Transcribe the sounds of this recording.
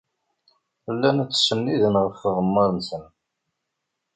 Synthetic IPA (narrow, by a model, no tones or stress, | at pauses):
əlːænæt͡sːsənːiðənʁəfəʁəmːəɾˤənsən